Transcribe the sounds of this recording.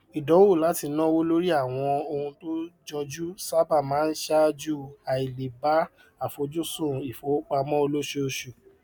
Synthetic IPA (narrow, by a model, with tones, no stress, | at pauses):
i˨dɔ˨˦wo˦˨la˨˦ti˧˦nã˦wo˦lo˦ɾi˦a˦˨w̃ɔ̃˧o˧hũ˧to˦d͡ʒɔ˧d͡ʒu˦sa˦ba˦˨mãː˨˦n̩˦ʃa˦d͡ʒu˦a˨i˨le˨ba˨˦ | a˦˨fo˨˧d͡ʒu˦sũ˦˨i˨fo˨˦o˦k͡pa˧mɔ̃˦o˧lo˦ʃe˧˦o˧ʃu˨